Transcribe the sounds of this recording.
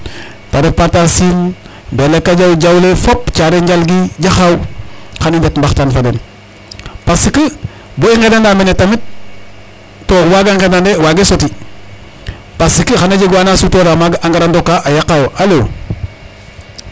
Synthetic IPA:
padepatasin | belekːad͡ʒawd͡ʒawlefopt͡ʃaɾeɲd͡ʒalɡid͡ʒaxawxanindetmbaxtanfaden | pasikə | boiŋɡenandamenetamit̚ | owaɡaŋkenandewaɡesoti | pasikəxanad͡ʒiɡwaːnasutoɾamaɡʔaŋɡaɾandokːaʔajakajoʔalo

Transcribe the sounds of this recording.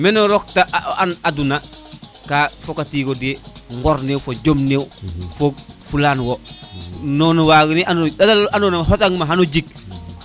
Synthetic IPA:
mɛnoɾɔk̚taanaduna | kafokatiːkodieŋɡɔɾneːwfoɟomnewfofulaːnwo | nɔnawaɡiniandadalanonɦotaŋmaɦanoɟik̚

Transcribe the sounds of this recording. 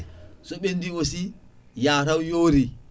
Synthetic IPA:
sɔɓendiwosijaːɾawjoːɾi

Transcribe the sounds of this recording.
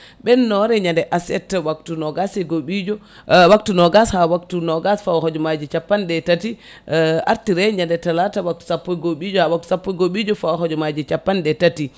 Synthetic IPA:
ɓɛnːɔɾɛɲandɛʔasɛ̰tːwak̚tunɔɡasɛɡoɓid͡ʒɔ | waktunɔɡashawaktunɔɡasfawahɔd͡ʒɔmad͡ʒit͡ʃapːandɛtati | a̰ɾtiɾɛɲandɛtalatawak̚tu̥sapːɔjɡoɓid͡ʒɔhawak̚tu̥sapːɔjɡoɓid͡ʒɔfawaɦɔd͡ʒɔmad͡ʒit͡ʃapːandɛtati

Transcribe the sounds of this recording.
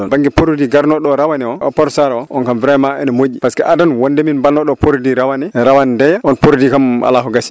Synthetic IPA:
ɔnbaŋɡipoɾdiɡaɾnɔɗɔɾawanɛɔɔpɔɾsaɾɔɔnkamviɾamaɛ̰nmod͡ʒipaskɛʔadanwɔndɛminbanːɔɗɔpʰoɾdiɾawanɛɾawandɛjaɔnpoɾdikamʔa̰laɦɔɡasi̥

